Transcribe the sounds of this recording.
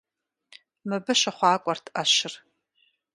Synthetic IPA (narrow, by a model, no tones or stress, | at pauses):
mɨbɨʃaχʷɑːkʷʼɔrtʰaʃɪr